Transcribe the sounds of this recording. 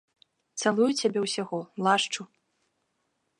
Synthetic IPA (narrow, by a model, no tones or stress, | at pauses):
t̪salˠujut͡sʲabʲɛwsʲaɣɔlˠaʂt͡ʂu